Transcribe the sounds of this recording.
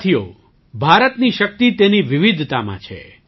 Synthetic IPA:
t̪ʰijo̰ | bʱaɾət̪niʃək̚t̪it̪eniʋɪʋid̪ʱt̪amã̰t͡ʃʰḛ

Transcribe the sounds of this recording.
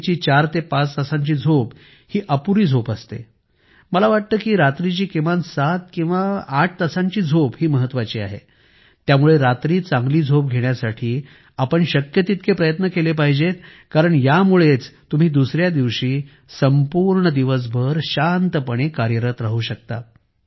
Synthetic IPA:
t͡ɕiːt͡ɕaɾt̪epat͡st̪əsãɲt͡ɕiːd͡zʱop | hiːʔəpuɾiːd͡zʱopəst̪ḛ | məlaʋaʈ̚t̪əːkiːɾat̪ɾit͡ɕiːkĩʋansat̪kĩw̃ʋaːʈ̚ʰt̪əsãɲt͡ɕiːd͡zʱopɦiːməɦət̪ːʋat͡ɕiːa̰ɦḛ | t̪jamuɭeɾat̪ɾiːt͡sãŋɡliːd͡zʱop̚ɡʱeɳjasaʈʰiː | apəɳɕəkjət̪it̪kʰepɾəjət̪nəkelepaɦid͡ʑet̪ | kaɾəɳjamuɭet͡st̪um̤iːd̪usɾjad̪iʋɕiː | səmpuɾɳəd̪iʋəs̬bʱəɾɕant̪əpəɽ̃ekaɾjəɾət̪ɾaɦuɕək̚t̪a̰

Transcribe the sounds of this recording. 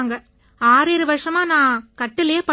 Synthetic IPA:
ŋɡɐ | aːɾɪɾɯʋɐɾʂɐmaːnãːkɐʈːɪlɐjeːpɐ

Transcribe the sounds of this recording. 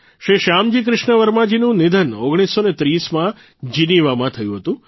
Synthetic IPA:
ʃɾiʃamd͡ʒik̬ɾɪʃɳəʋəɾmad͡ʒinũnɪd̪ʱənoɡɽ̃isːonet̪ɾismã | d͡ʒiniʋamãt̪ʰəjũɦət̪ũ

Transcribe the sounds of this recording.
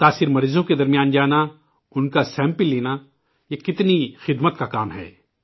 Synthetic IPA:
t̪aːsɪɾmɐɾiːzõked̪ɐɾmijaːnd͡ʒaːna | ʊnkasɛ̃ːmpɪlːeːna | jekɪt̪nixɪd̪mət̪kakaːmɦɛ̰ː

